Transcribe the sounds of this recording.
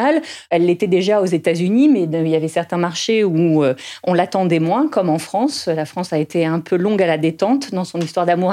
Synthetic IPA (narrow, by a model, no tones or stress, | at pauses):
alɛlːet̪ɛd̪eʒaozet̪azynimɛiljavɛsɛʁt̪ɛ̃maʁʃeuøɔ̃lat̪ɑ̃d̪ɛmwɛ̃kɔmɑ̃fχɑ̃slafχɑ̃saet̪ʰeɛ̃pʰølɔ̃ɡalad̪et̪ɑ̃t̪d̪ɑ̃sɔ̃nist̪waʁd̪amuʁ